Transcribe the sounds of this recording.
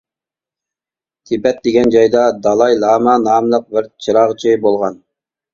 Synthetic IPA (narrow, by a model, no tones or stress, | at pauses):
t̪ʰɪbɛt̪̚d̪eɡʲɛnd͡ʒɑjd̪ɑd̪ɑlˠɑjlˠɑːmɑnɑːmlˠəq̚bɪɾt͡ʃʰɨɾɑʁt͡ʃʰɪbolˠʁɑn